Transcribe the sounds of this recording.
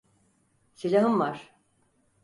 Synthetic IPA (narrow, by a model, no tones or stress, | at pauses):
silʲaɦɯmvaɾ̥